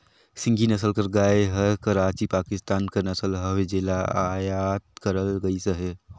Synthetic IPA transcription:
sɪ̃ŋɡʱinɐsəlkəɾɡaːeɦəkəɾaːt͡ʃipaːkɪst̪aːnkanɐsəlɦəwed͡ʒelaajat̪̚kəɾəlɡəisəɦe

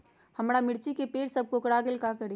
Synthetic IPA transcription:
həmɽamɪɽt͡ʃikepeːɽsəb̚ʱkokɽaɡelkakəɾi

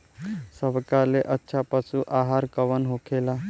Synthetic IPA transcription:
səbkaleʔətːɕʰapəsuʔaɦaɾkəʋənɦokʰela

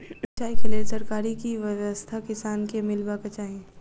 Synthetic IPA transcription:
t͡ʃaːikeleːsɐɾkaːɾikiʋəʋəst̪ʰakɪsaːnkemɪlbakət͡ʃaːɦẽ

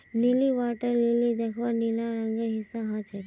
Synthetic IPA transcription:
niliʋaːʈəɾlilid̪ekʰʋanilãɾə̃ŋɡəɦɪsːãɦãt͡ʃʰe

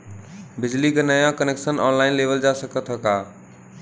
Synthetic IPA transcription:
bɪd͡ʒlikenəjãkəneksənɔːnlaɪnleʋəld͡ʒasəkət̪ɦəka

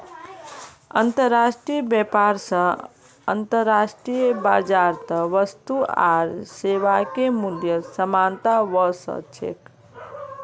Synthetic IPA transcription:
ə̰nt̪əɾːasʈɾijəbɛpaɾsə̃ | ə̰nt̪əɾːasʈɾijbad͡ʒaɾt̪əʋəst̪ua̰ɾseʋakemuljəsəmant̪aʋəsə̰t͡ʃʰḛk

